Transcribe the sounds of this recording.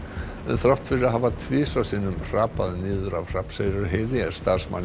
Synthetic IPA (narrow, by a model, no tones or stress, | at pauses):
ɛ̰ðθɾawht̪fɪɾɪɾaɦavat̪ʰvɪːsasiːnʏmr̥aːpaðnɪːðʏɾavr̥apsejɾʏɾɦeːðɪɛ̥st̪aɾ̥sma̰nː